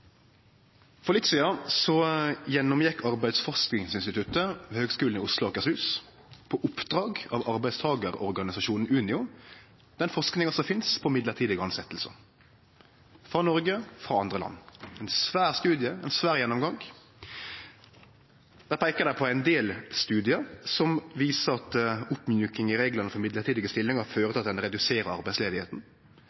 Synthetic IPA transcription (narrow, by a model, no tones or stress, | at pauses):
fɔʁlɪt̪siːɑsɔjɛnːɔmjɛkʰːɑʁbæɪd̪sfɔʁsknɪŋsɪnst̪ɪt̪ʰʉt̪əʋɛhøːɡskʉːln̩ɪʊslʊɔkəshʉːs | pʰɔʔʊpd̪ʁɑːɡɑʋɑʁbæɪd̪st̪ʰɑːɡəʁɔ̰ʁɡɑnɪsɑʃuːnn̩ʉːnɪʊ | d̪̥ɛnfɔʁʂknɪŋɑsɔmfɪnspʰɔmɪd̪ləʁt̪ʰiːd̪əɡɑnsɛt̪ːlsə̰ | fɾɑnɔɾɡəfɾɑɑnd̪ʁəlɑ̰nːæɪnsʋæːʁst̪ʉːd̪jəæɪnsʋæːɾjɛnːɔmɡɑŋ | d̪æːpʰæɪkəd̪æpʰɔæɪnd̪eːlst̪ʉːd̪ɪəɾsɔmʋiːsəɾɑt̪ʊpːmjʉːkɪŋɪɾeːɡlənəfɔɾmɪd̪ləɾt̪ʰiːd̪ɪɡəst̪ɪlːɪŋəɾføːɾət̪ʰɪɑt̪̚d̪ɛnɾɛd̪ʉseːɾəɾɑ̰ɾbæɪsleːd̪ɪheːt̪n̩